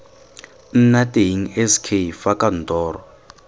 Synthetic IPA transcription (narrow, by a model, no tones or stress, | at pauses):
n̩natʼeiŋ̩ɛskʰefakʼan̩tɔːɾɔ